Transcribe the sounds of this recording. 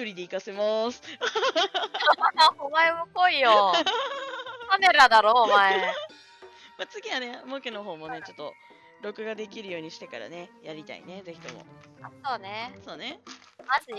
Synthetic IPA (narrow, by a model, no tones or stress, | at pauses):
kɯɾʲid̪eikase̞mosɨ̥ | mad̪ahomaemoko̞ijo | ame̞ɾad̪aɾo̞ːmae | mat͡sɨɡʲiane̞moke̞no̞ɦo̞ːmo̞ne̞t͡ɕo̞t̪ːo̞ | ɾo̞kɯ̟ɡad̪e̞kʲiɾɯ̟jo̞ːɲ̟iɕi̥t̪e̞kaɾa̰ne̞jaɾʲit̪a̰ḭne̞ze̞çi̥t̪o̞mo̰ | aso̞ːne̞so̞ːne̞ | mazɨ